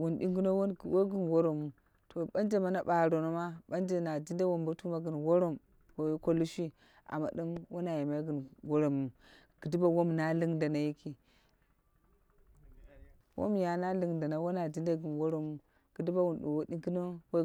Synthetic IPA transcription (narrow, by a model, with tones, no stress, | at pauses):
wu˨nɗḭ˦ŋɡi˦no˦wo˦˨wo˦ɡi˦nwo˦ɾo˨mu˨ | tʰo˨ɓa˦nd͡ʒe˦ma˦na˨ɓa˨ɾo˨no˦ma˦ɓa˦nd͡ʒe˦na˨d͡ʒi˦nda˦wo˨mbo˦tu˦ma˦ɡi˨nwo˦ɾo˦m | wo˨˦ko˦lu˦ʃi˦ | ʔa̰˨ma̰˨dɨ˦mwo˦na˨ji˨ma˦jɡi˨nɡo˦ɾo˨mu˨ | ɡ̥ɨ˨di˦ba˦wo˦m˨na˦li˦ŋda˨na˨ji˦kʰi˦ | wo̰˦m˦ja˨na˦li˨ŋda˨na˨˦wo˦na˨d͡ʒi˦nda˦ɡɨ˨nwo˦ɾo˨mu˨ | ɡ̥ɨ˨di˦ba˦wu˨nɗṵ˨wo˦ɗi˦ŋɡi˦no˦w